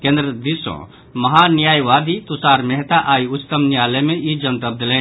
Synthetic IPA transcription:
kẽːnd̪ɾəd̪isõ̰ | mɐɦanjaːjʋaːd̪it̪ʊsaːɾmɛɦt̪aʔaːiʊt͡ʃt̪əmnjaːlemẽid͡ʒənt̪əb̚d̪əlẽː

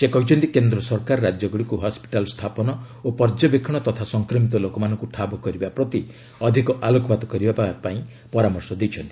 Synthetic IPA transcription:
sekɔɦut͡ʃʰɔnt̪ikend̪ɾɔsɔɾkaɾɔɾad͡ʒjɔɡɔɽikuɦɔspi̥ʈalɔst̪ʰapɔnɔopɔɾd͡ʒɔbekʰɔɽ̃ɔt̪ɔt̪ʰasɔŋkɾɔmit̪ɔlokɔmanɔ̃ŋkuʈʰabɔkɔɾibapɾɔt̪i | ɔd̪ʱikɔʔalokɔbad̪ɔkɔɾibapaĩ | pɔɾamɔɾsɔd̪ejt͡ʃʰɔnt̪i

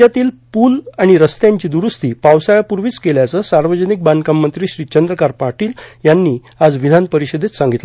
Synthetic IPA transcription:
at̪iːlpuːlaɽ̃iɾəst̪jaɲt͡ɕiːd̪uɾust̪iːpawsajapuɾʋiːt͡skeljat͡səːsaɾʋəd͡ʑənik̚bankamːənt̪ɾiːɕɾiːt͡ɕənd̪ɾəkaɾpaʈiːljanːiː | ad͡zʋid̪ʱanpəɾiɕəd̪ʱet̪sãŋɡit̪la

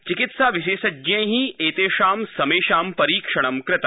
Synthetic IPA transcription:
t͡ʃɪkɪt̪saʋɪʃeːsɐd͡ʒɐ̃jɦĩeːt̪eːʃaːmsɐmeːʃaːmpɐɾiːkʂɐɽ̃ɐmkɾɪt̪a

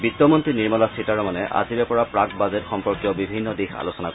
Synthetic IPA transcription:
bitːɔmɔntɹiniɹmɔlasitaɹɔmanɛʔa̰ziɹɛpɔɹapɹakbazetxɔmpɔɹkjɔbibʱinːɔdixa̰losɔnak

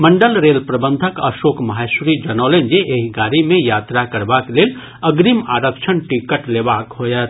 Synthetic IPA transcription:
mə̃ɳɖəlɾeːlpɾɐbə̃nd̪ʱəkɐ̰ʃoːkmɐɦaʃɾid͡ʒənɔːlẽnd͡ʒeʔeɦɡaːɾimẽjaːt̪ɾakəɾbakleːl | ɐɡɾima̰ːɾəkʃʰənʈikəʈleːbaːkɦoːjat̪

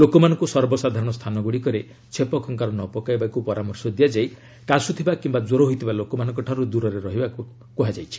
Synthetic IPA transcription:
lokɔmanɔŋkusɔɾbɔsad̪ʱaɾɔɽ̃ɔst̪ʰanɔɡuɽikɔɾe | t͡ʃʰepɔkʰɔŋkaɾɔnɔpɔkajbakupɔɾamɔɾsɔd̪ijad͡ʒaj | kasut̪ʰibakimbad͡ʒoɾoɦoit̪ʰibalokɔmanɔ̃ŋkɔʈʰaɾud̪uɾɔɾeɾɔɦiba | kɔɦad͡ʒajt͡ʃʰi̥

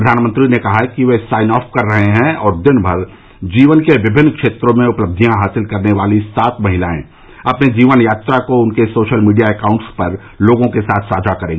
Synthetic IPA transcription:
ɾəd̪ʱaːnmə̃nt̪ɾinekɐɦakiʋesaːɪnɔːpʰkɐɾːɐɦeɦɛ̃ɔːɾd̪ɪnbʱɐɾ | d͡ʒiːʋənkeʋɪbʱɪnːkʃeːt̪ɾõmẽʊpləb̚d̪ʱijãɦaːsɪlkɐɾneʋaːlisaːt̪mɐɦɪlaːḛ̃ | ɐpned͡ʒiːʋənjaːt̪ɾakoʊnkesoːʃəlmiːɖijaekãːʊ̃ɳʈspɐɾ | loːɡõkesaːt̪ʰsaːd͡ʒʱakɐɾẽːɡ

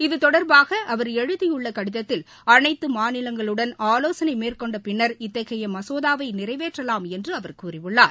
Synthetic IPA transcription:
ɪðɯt̪ɔɽɐɾbaːɣɐʔɐʋɐɾɛɻɯðɪjɯɭːɐkɐɽɪðɐt̪ːɪl | ɐnɐɪt̪ːɯmaːnɪlɐŋɡɐɭɯɽɐnaːloːsɐnɐɪmeːrkɔɳɖɐpɪnːɐɾɪt̪ːɐɣɐjɐmɐsoːðaːʋɐɪnɪrɐɪʋeːʈrɐlaːmɛndrɯɐʋɐɾkuːrɪʋɯɭːaːɾ

